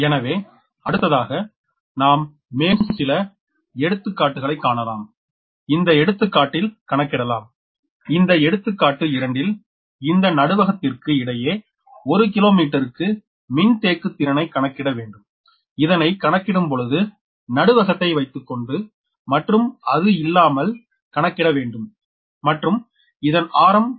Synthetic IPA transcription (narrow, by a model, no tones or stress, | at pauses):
ɛnɐʋeː | ɐɽɯt̪ːɐðaːɣɐ | naːmː | eːnsɪlɐ | ɛɽɯt̪ːɯkːaːʈːɯɣɐɭɐɪkːaːɳɐla̰ːm | ɪnd̪ɐɛɽɯt̪ːɯkːaːʈːɪlkɐɳɐkːɪɽɐlaːm | ɪnd̪ɐɛɽɯt̪ːɯkːaːʈːɯɪɾɐɳɖɪl | ɪnd̪ɐnɐɽɯʋɐɣɐt̪ːɪrkɯɪɽɐjeː | ɔɾɯk̬ɪloːmiːʈːɐɾɯkːɯ | mɪnt̪eːkːɯt̪ːɪɾɐnɐɪkɐɳɐkːɪɽɐʋeːɳɖɯm | ɪðɐnɐɪkɐɳɐkːɪɽɯmpɔɻɯðɯ | nɐɽɯʋɐɣɐt̪ːɐɪʋɐɪt̪ːɯkːɔɳɖɯ | mɐʈrɯmɐðɯɪlːaːmɐl | kɐɳɐkːɪɽɐʋeːɳɖɯmː | ɐʈrɯm | ɪðɐnaːɾɐm